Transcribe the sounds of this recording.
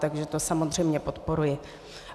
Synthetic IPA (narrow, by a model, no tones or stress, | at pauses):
t̪aɡʒɛt̪osamozr̝ɛjmɲɛpo̞t̪po̞ɾujɪ